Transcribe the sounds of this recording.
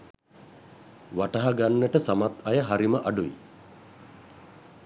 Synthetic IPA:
ʋaʈaɦaɡanːəʈəsamat̪ɐjəɦaɾiməʔaɖuʋḭ

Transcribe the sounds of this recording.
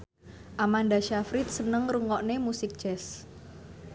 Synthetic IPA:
ʔamand̪aʃafɾɪt̪̚sənəŋruŋɔʔnemusɪk̚d̥d͡ʒ̥ɛs

